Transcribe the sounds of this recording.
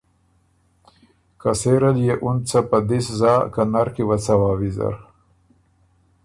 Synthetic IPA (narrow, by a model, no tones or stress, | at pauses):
kaseɾaljeʔunt͡sapad̪iszɑːkanaɾkewat͡sawaːwiza̰ɾ